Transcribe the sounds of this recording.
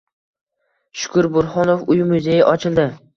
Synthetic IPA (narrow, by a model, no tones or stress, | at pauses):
ʃʊ̥kʰʊɾbʊɾχɒnofʊjmʊzejɪʔɒt͡ʃʰɪlˠd̪ɪ